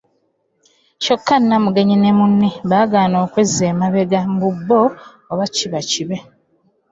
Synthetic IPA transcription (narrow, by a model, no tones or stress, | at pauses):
ʃokːanːamuɡe̞ɲinemunːiβaːɡaːno̞ːkwezːeːmaβeɡambubːoː | βaciβaciβe̞